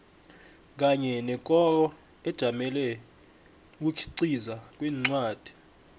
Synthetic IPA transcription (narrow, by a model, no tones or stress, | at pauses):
k̬aɲɛnɛkʼɔrɔ | ɛd̥ʒ̥ʱamɛlɛ | k̬ukʰi̥ǀizak̬ʼwiːŋ͡ǀwaːd̥ʱi̥